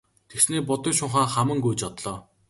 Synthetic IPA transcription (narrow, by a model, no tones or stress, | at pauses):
t̪ʰeksneːpʊt̪ɞ̆ŋʃʊɴχaːχamə̆ŋɡujt͡ɕɔt̪ɮɔː